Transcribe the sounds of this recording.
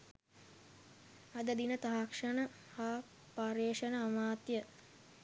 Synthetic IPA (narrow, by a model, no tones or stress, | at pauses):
ɐd̪əd̪inət̪aɦakʂənə | ha | paɾeːʂənəːmaːt̪jə